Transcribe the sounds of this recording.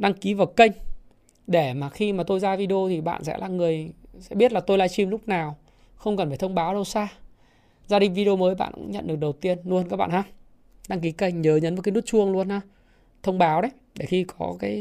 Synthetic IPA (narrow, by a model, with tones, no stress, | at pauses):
ɗa˧ŋki˨˦vaː˨˩kə˧jŋ̟ | ɗe˧˩maː˨˩xi˧maː˨˩t̪o˧jzaː˧vi˧ɗi˧o˧t̪ʰi˨˩ɓa̰ː˧˨nsɛ̰˧˥laː˨˩ŋɨ˨˩əjsɛ̰˧˥ɓi˦˥ət̚laː˨˩t̪o˧jlaː˧˦jt͡ɕi˧mlʊ˦˥k͡p̚naː˨˩w | xə˧wŋ͡mkə˨˩nfaː˧˩jt̪ʰə˧wŋ͡mɓaː˨˦wɗə˧wsaː˧ | zaː˧ɗï˨ŋ̟vi˧ɗi˧o˧məː˨˦jɓa̰ː˧˨nkːŋɲə̰˧˨nɗɨ˨˩k̚ɗə˨˩wt̪i˧ənlu˧nkaː˧˦˥k̚ɓa̰ː˧˨haː˧ | ɗa˧ŋki˨˦kə˧jŋ̟ɲəː˨˦ɲə˨˦nm̚ː˨˩kːa˨˦nu˦˥t̚t͡ɕu˧əŋlu˧ənhaː˧ | t̪ʰə˧wŋ͡mɓaː˨˦wɗə˨˦j | ɗe˧˩xi˧kɔ˨˦kaː˨˦j